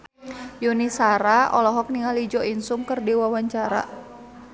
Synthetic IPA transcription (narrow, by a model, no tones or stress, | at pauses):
junisaɾaɔ̰lɔɦɔk̚niŋalid͡ʒɔinsumkərdiwawaɲt͡ʃaɾa̰